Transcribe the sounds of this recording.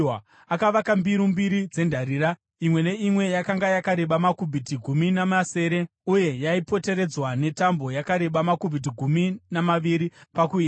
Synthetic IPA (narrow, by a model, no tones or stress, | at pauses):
akaʋakambiɾumbiɾid͡ze̞ndʱaɾiːɾa | imwe̞ne̞imwe̞jakaŋɡajakaɾe̞ɓamakubʱitiɡʱuminamase̞ːɾe̞ | uje̞jaipo̞te̞ɾe̞d͡zwane̞tambo̞jakaɾe̞ɓamakubʱit̬iɡʱuminamaʋiɾipakuia